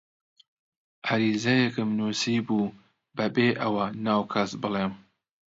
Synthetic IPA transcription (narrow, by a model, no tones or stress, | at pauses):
ʔaɾiːzɐjɛkɨmnuːsiːbuː | bɐbeːʔɐwɐnaːwkʰasbɨleːm